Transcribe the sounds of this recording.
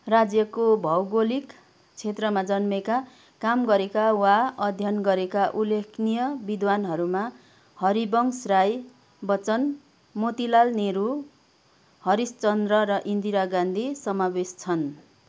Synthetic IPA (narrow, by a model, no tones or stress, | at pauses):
rad͡zjʌkobʱʌwɡolik | t͡sʰet̪rʌmad͡zʌnmeka | kamɡʌɾekawaʌd̪ʱjʌnɡʌɾekaʔulːekʰnijʌbid̪ʱwanɦʌɾuma | hʌɾibʌŋsraj | bʌt͡sʌn | mot̪ilalneɾu | hʌɾist͡sʌnd̪rʌɾʌʔind̪iɾaɡãnd̪ʱisʌmabest͡sʰʌn